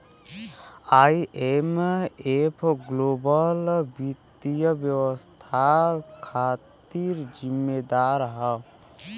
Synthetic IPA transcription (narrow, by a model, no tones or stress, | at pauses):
aiʔemepʰɡlobəlbidt̪ijəbjəwəst̪ʰakʰat̪iɾd͡ʒimːed̪aɾɦə